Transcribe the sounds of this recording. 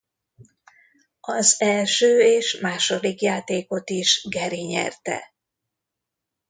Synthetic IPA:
ɒzɛlʃøːeːʃmaːʃo̞d̪ikjaːt̪eːko̞t̪iʃɡɛɾiɲɛ̰rt̪ɛ̰

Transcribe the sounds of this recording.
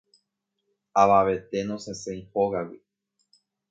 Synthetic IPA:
aβaβe̞t̪e̞nõsesẽĩhoɣawi

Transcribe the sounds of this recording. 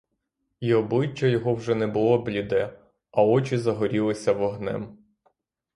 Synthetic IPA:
iɔblˠɪt͡ʃːɐjɔɦɔwʒɛnɛbʊlˠɔblʲid̪ɛ | ɐɔt͡ʃizɐɦɔɾʲilˠɪsʲɐʋɔɦnɛ̰m

